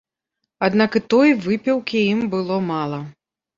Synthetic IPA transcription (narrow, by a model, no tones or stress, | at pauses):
ad̪nakɨt̪ɔjvɨpʲɛwkʲiimbɨlˠɔmalˠɐ